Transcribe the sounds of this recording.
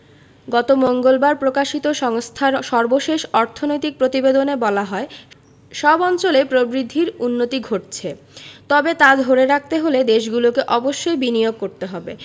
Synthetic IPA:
ɡɔt̪omoŋɡolbaɾpɾokaʃit̪oʃɔŋst̪ʰaʃɔɾboʃeʃɔɾt̪ʰonojt̪ik̚pɾot̪ibed̪onebɔlaɦɔe | ʃɔbɔnt͡ɕolepɾobɾid̪ʱːiɾunːot̪iɡʱoʈt͡ɕʰe | t̪ɔbet̪ad̪ʱoɾeɾak̚ʰt̪eɦoled̪eʃ̬ɡulokeʔɔboʃːojbinioɡ̚koɾt̪eɦɔbe

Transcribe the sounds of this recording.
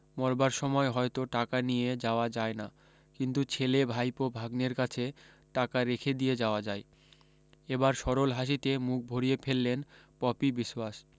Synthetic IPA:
mɔɾbaɾʃɔmɔeɦɔet̪oʈakanijed͡ʑaoad͡ʑaena | kint̪ut͡ɕʰelebʱajpobʱaɡneɾkat͡ɕʰe | ʈakaɾekʰed̪ied͡ʑaoad͡ʑae | ebaɾʃɔɾolɦaʃ̬it̪emuk̚ʰbʱoɾijepʰelːenpɔpibiʃwaʃ

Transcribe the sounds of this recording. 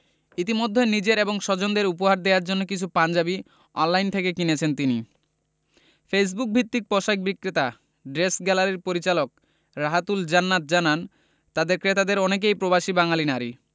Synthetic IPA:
it̪imod̪ʱːenid͡ʑeɾeboŋʃɔd͡ʑond̪eɾup̬oɦaɾd̪eaɾd͡ʑonːokit͡ɕʰupand͡ʑabi | ɔnlajnt̪ʰekekinet͡ɕʰent̪ini | fes̬buk̚bʱit̪ːik̚pɔʃajk̚bikɾet̪a | ɖɾesɡɛlaɾeɾpoɾit͡ɕalok̚ | ɾaɦat̪uld͡ʑanːat̪̚d͡ʑanan | t̪ad̪eɾkɾet̪ad̪eɾɔnek̬ejpɾobaʃibaŋalinaɾi

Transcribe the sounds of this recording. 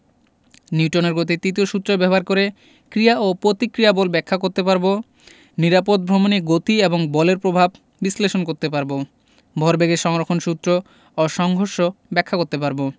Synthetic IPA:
niwʈoneɾɡot̪̬it̪it̪ioʃut̪ːɾobɛboɦaɾkoɾe | kɾiaʔopɾot̪ikɾijabɔlbɛkʰːakoɾt̪epaɾbo | niɾapod̪̚bʱɾomoniɡot̪ieboŋbɔleɾpɾobʱab | bisleʃonkoɾt̪epaɾbo | bʱɔɾbeɡeʃɔŋɾokʰonʃut̪ːɾo | oʃɔŋɡʱoɾʃobɛkʰːakoɾt̪epaɾbo

